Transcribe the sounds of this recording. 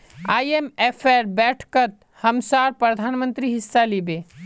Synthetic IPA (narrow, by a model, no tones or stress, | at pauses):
ajemepʰeɾbɛːʈʰkət̪̚ | həmsaːɾpɾəd̪ʱaːnmə̃nt̪ɾiɦisːalibe